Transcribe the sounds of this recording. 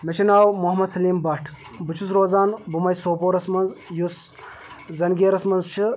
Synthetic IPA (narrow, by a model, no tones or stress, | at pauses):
mɐt͡ʃʰinaːwmoɦmɐd̪sɐliːmbɐʈʰ | bɨt͡ʃʰusɾoːzaːnbumɐjsoːpoːɾɐsmɐnzjus | zɐnɡeːɾɐsmɐnzt͡ʃʰi